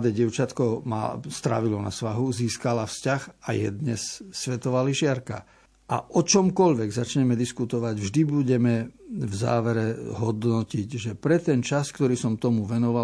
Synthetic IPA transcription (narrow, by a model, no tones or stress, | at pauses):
d̪ɛɟɪɛʊt͡ʃat̪kɔma̰st̪ɾa̰ʋilɔna̰sʋaɦuziːskalafscaxa̰jɛ̰d̪ɲɛsːʋɛt̪ɔʋaliʒɪaɾka̰ | ʔa̰ʔɔt͡ʃɔmkɔʎʋɛɡzat͡ʃɲɛmɛd̪iskut̪ɔʋaɟvʒd̪ibuɟɛmɛvza̰ːʋɛɾɛɦɔd̪nɔciɟʒɛpɾɛt̪ɛnt͡ʃaskt̪ɔɾiːsɔmt̪ɔmuʋɛnɔʋa